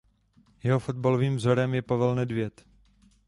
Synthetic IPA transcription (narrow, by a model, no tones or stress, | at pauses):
jɛɦo̞fo̞d̪̚balo̞viːmvzo̞ɾɛmjɛpavɛlnɛdvjɛt̪